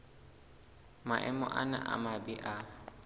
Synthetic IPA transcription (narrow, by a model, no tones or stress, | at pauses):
maʔɛmɔ̰ʔana̰ʔa̰mabiʔa